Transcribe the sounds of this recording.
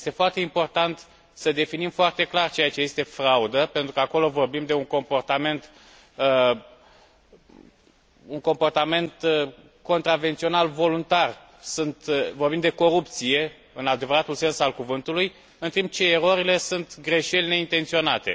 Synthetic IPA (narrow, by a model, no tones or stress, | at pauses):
jest̪e̞foart̪e̞impo̞rt̪ant̪ | səd̪e̞finimfoart̪e̞klart͡ʃe̞jat͡ʃe̞je̞st̪e̞fɾaud̪əpe̞nt̪ɾukəako̞lo̞vo̞rbimd̪e̞uŋko̞mpo̞rt̪ame̞nt̪ | ə | uŋko̞mpo̞rt̪ame̞nt̪ | ko̞nt̪ɾavent̪sio̞nalvo̞lunt̪ar | sunt̪vorbimd̪e̞ko̞ɾup̚t̪sije̞ | ɨnad̪e̞vəɾat̪ulse̞nsalkuvɨnt̪uluj | ɨnt̪impt͡ʃe̞ːɾo̞ɾile̞sunt̪ɡɾe̞ʃe̞lʲne̞int̪e̞nt̪sio̞nat̪e̞̰